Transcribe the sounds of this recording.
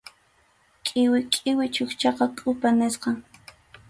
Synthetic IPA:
kʼɪwɪkʼɪwɪt͡ʃʊxt͡ʃɑqɑkʼʊpanesqɑŋ

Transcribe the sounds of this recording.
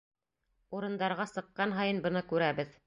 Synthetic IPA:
uɾɤ̆nd̪ɑɾʁɑsɤ̆qːɑnɦɑjɤnbɤ̆nɤkʉɾæβɘð

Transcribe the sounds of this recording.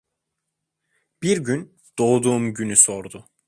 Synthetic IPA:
b̥iɾɟyn | d̪̥o̞ːd̪uːmɟynyso̞ɾd̪ʊ

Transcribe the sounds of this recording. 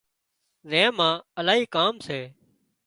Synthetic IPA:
zẽːmãːəlaːɦiːkaːmseː

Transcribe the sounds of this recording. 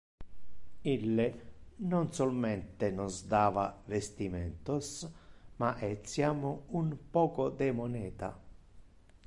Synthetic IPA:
ilːenonsolmɛnt̪enɔzd̪aːvavest̪imɛnt̪ʊsmaʔɛt̪sːjamunpɔːkod̪emonɛːt̪a̰

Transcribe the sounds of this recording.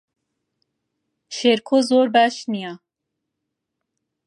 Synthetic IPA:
ʃeɾkʰoːzoːɾbæʃnija

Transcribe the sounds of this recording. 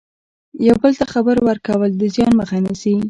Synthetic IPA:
jawbəlt̪axabəɾwəɾkawəld̪əzjɑnməxanasi

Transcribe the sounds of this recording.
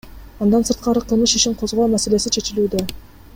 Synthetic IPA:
ɑnd̪ɑnsɯɾt̪̚qɑɾɯqʰɯlˠmɯʃiʃiɴqʰo̞zʁo̞ːmæse̞le̞sit͡ʃʰe̞t͡ʃilyːd̪ø

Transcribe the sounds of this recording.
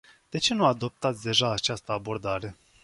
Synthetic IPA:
d̪̥e̞t͡ʃe̞nuad̪o̞p̚t̪at̪sʲd̪e̞ʒaːt͡ʃast̪əabo̞rd̪aɾe̞

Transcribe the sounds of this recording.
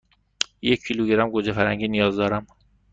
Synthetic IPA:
jecʰːiluɡeɾæmɡod͡ʒefæɾæŋɟiːnijɒːzd̪ɒːɾæm

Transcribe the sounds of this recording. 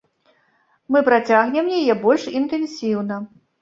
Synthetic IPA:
mɨpɾat͡sʲaɣnʲɛmjajɛbɔlʲʂint̪ɛnsʲiwnɐ

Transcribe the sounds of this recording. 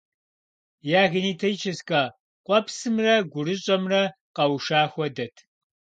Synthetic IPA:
jaːɣɪniːtʰɐjt͡ʃʰɐskʼaː | qʷʼɔpsɨmrɐɡʷʊɾɨɕʼɐmrɐ | qɐwʃaːxʷɔdɐtʰ

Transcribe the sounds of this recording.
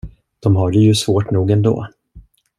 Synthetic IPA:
d̪̥ɔmɦaɖɛjɵsvoːʈnuːɡɛnd̪o̰ː

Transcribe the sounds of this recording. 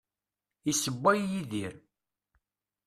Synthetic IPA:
isəbːæjːiðiɾ

